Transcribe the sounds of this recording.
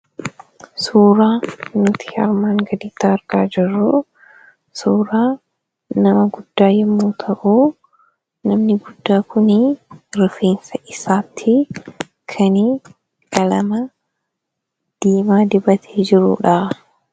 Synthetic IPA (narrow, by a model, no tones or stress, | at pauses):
suːɾaːnʊt̪ʰɪ̥hɐ̰ɾmaːŋɡɐd̪iːt̪ːaːɾɡaːd͡ʒɪrːʊ | suːɾaː | nɐmɐɡʊd̪ːaːjɛmːuːt̪ʰɐʔuː | nɐmnɪɡʊd̪ːaːkʊnɪɾɪfeːnsɐʔɪsaːt̪ʰːɪ | kʰɐni | kɐlɐmɐ | d̪̥iːmaːd̪ɪbɐt̪ʰeːd͡ʒɪɾṵːᶑaː